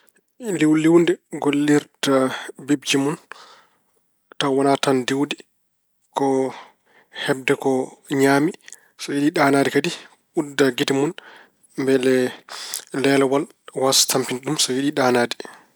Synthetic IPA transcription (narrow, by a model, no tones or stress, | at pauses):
liwliwndɛɡolːiɾtabib̚d͡ʒimun | tawanatandiwdi | kɔ | hɛb̚dɛkɔɲaːmi | sɔjiɗiɗanaːdikadi | udːaɡitimun | mbɛlɛ | lɛlɛwal | wasḁtampinɗumsɔjiɗiɗaːnaːdi̥